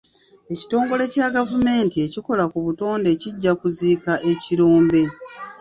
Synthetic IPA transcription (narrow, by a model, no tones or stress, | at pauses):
e̞ci̥to̞ːŋɡo̞le̞caɡavume̞ːntie̞ciko̞lakuβuto̞ːnde̞ciɟːakuziːkaʔe̞ciɾoːmbe̞